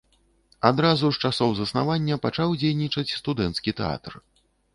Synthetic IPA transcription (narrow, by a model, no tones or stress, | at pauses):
ad̪ɾazuʂt͡ʂasɔwzɐsna̰vanʲːɐpat͡ʂawd͡zʲejnʲit͡ʂɐt͡sʲst̪ud̪ɛnt̪skʲit̪ɛ̰a̰t̪r